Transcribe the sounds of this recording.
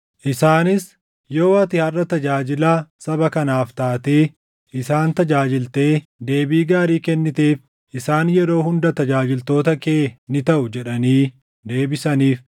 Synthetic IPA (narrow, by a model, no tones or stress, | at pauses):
ʔɪsaːnɪs | joːwɐt̪ɪhɐrːɐt̪ɐd͡ʒaːd͡ʒɪlaːsɐbɐkɐnaːft̪aːt̪eː | ʔɪsaːnt̪ɐd͡ʒaːd͡ʒɪlt̪e̞ːd̪e̞ːbiːɡaːɾiːkɛnːɪt̪eːf | ʔɪsaːnjɛɾo̞ːhʊnd̪ɐt̪ɐd͡ʒaːd͡ʒɪlt̪o̞ːt̪ɐkeːnɪt̪ɐʔʊd͡ʒɛᶑɐniː | d̪e̞ːbɪsɐniːf